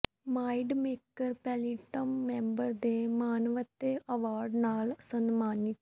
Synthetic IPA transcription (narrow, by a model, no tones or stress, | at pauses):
maːiɖmeːkəɾpɛːliːʈəmːɛ̃ːmbəɾd̪eːmaːnəʋət̪ːeːʔəʋaːɾɖnaːlsənmaːnɪt̪